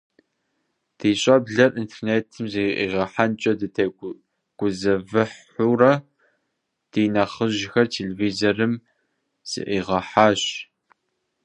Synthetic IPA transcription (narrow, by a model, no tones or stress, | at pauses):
d̥iːɕʼɐbɮɐrʔintʰerneːtʰɨmzɨʔḭʁɐħant͡ʃʼɐdɨtʰɐ | ɡ̥ʷʊzɐvɨħ | urɐ | d̥iːnɐχəʑxɐrtʰeːleviːzɐrɨm | z̥ɨ̰ʔiːʁɐħaːɕ